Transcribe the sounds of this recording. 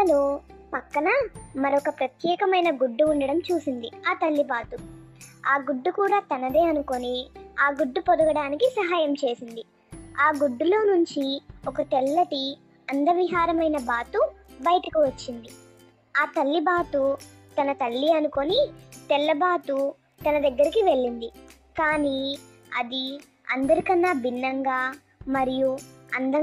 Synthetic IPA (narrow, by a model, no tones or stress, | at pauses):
ɐloːpɐkːɐnɐmɐɾokɐpɾɐt̪jɛːkɐmɐjnɐɡuɖːuːɳɖɐɽɐmt͡ʃuːsind̪iaːt̪ɐlːibaːt̪u | aːɡuɖːukuːɽaːt̪ɐnɐd̪eːɐnuko̞niaːɡuɖːupod̪uɡɐɽaːnikisɐɦaːjɐmt͡ʃe̞ːsind̪i | aːɡuɖːulo̞ːnuɲt͡ʃiɔkɐt̪ɛlːɐʈi | ɐnd̪ɐʋiɦaːɾɐmɐjnɐbaːt̪ubɐjɐʈɐkiʋɐt͡ʃːind̪i | aːt̪ɐlːibaːt̪u | t̪ɐnɐt̪ɐlːiɐnuko̞nit̪ɛlːɐbaːt̪u | t̪ɐnɐd̪ɐɡːɐɾikiʋe̞ɭːind̪i | kaːni | ɐ̰d̪i | ɐ̰nd̪ɐɾikɐnːaːbinːɐŋɡaː | mɐɾijuɐ̰nd̪ɐ